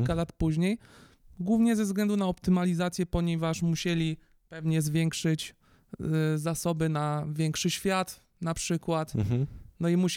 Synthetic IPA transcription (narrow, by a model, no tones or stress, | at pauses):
ilkalat̪puʑɲej | ɡwuvɲɛzɛvzɡlɛnd̪unaɔpt̪ɘmalʲizat̪sʲjɛpɔɲɛvaʂmuɕɛlʲi | pɛvɲɛzvʲjɛŋkʂɘt͡ɕ | zasɔbɘnavʲjɛŋkʂɘɕfʲjat̪ | napʂɘkwat̪nɔimuɕ